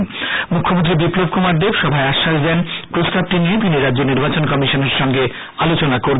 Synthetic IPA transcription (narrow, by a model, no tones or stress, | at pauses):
nmukʰːomõnt̪̬ɾibiplob̚kumaɾd̪ebʃɔbʱaeaʃːaʃd̪ɛnpɾost̪ab̚ʈiniet̪iniɾad̪ːd͡ʑoniɾbat͡ɕonkɔmiʃoneɾʃɔŋɡe | alot͡ɕonakoɾ